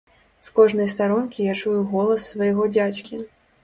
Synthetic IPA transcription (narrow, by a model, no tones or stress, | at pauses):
skɔʐnɐjst̪aɾɔnkʲijat͡ʂujuɣɔlˠɐsːvɐjaɣɔd͡zʲat͡ɕʲkʲi